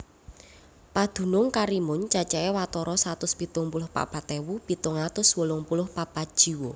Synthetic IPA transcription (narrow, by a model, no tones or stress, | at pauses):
pad̪̥ṳnʊŋkaɾimʊɲt͡ʃat͡ʃaewat̪ɔɾɔsat̪ʊspit̪ʊŋpulʊhpa̰pat̪ewupit̪ʊŋat̪ʊswəlʊŋpulʊhpapad̥ʒ̥i̤wo